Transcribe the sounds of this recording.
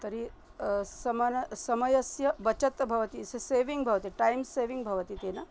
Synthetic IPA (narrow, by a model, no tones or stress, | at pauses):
t̪ɐɾi | sɐmanɐsɐmɐjɐsjɐbɐt͡ʃɐt̪bʱɐʋɐt̪isɐseːʋiŋɡbʱɐʋɐt̪iʈajmseːʋiŋɡbʱɐʋɐt̪it̪eːnɐ